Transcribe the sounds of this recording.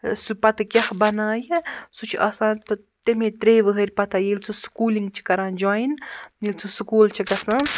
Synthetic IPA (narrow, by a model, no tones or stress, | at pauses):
supɐt̪ʰɨkʲɐhbɐnaːjɐsut͡ʃʰʔɐsãːnt̪o | t̪emẽt̪ɾeːʋəɦɐɾʲpɐt̪ʰajelʲt͡sʰuskuːliŋɡ̚t͡ʃʰi̥kɐɾãːnd͡ʒojnjilʲt͡sʰusukuːlt͡ʃʰikɐsɐ̃